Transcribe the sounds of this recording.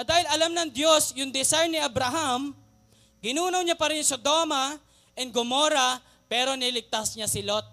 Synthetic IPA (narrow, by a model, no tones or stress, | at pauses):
ɐd̪aːhɪlɐlamnɐŋd̪jo̞sjʊŋd̪ɛsajnɪʔɐbɾɐɦam | ɡɪnuːnɐwɲapɐɾɪŋsod̪o̞ːmɐ | ʔɛnɡʊmo̞ːɾɐ | pɛːɾo̞nɪlɪɡ̚t̪asɲasɪlot̪̚